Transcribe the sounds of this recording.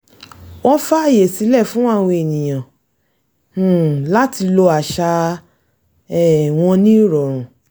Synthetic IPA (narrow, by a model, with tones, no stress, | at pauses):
wɔ̃˦fa˦˨je˨si˨˦lɛ˦˨fũ˦wã˦˨˧we˧e˨nĩ˨j̃ã˨˦˨ | la˦ti˧lo˧a˨ʃa˧ | ɛ˦˨w̃ɔ̃˧nĩ˦ɾɔ˨ɾ̃ũ˨